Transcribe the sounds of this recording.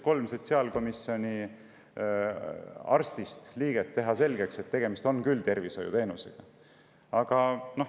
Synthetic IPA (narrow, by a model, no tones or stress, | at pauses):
ko̞lmset̪seɑlko̞miso̞nʲi | ɑ̰rst̪ist̪liːɡ̥et̪ːe̞ɦɑse̞lɡ̥e̞kse̞t̪ːe̞ɡ̥e̞mist̪o̞nkylt̪e̞rviso̞jṵt̪e̞ːnusḛɡ̥ɑ | ɑɡ̥ɑno̞